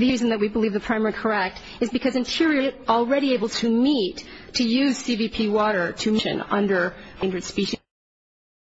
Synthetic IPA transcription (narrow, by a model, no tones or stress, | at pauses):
ðizɨ̃n̩ðɨt̚wibəlivðɨpʰɹ̥aɪ̃mɛɹikʰə˞ɛk̚t | ɨzbɨkʰʌzɨ̃ntʰɪɹiəɾl̩ˠɹɛɾieɪbl̩ˠtʰɨmitʰɨjʉz̥sivipʰiwɔɾə˞ɾɨmɪʃɨ̰̃nʌ̰̃ndə̃˞ndɹɨd̥spiʃi